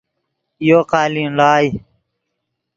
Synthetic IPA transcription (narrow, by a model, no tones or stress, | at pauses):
joːqaːlinlaːj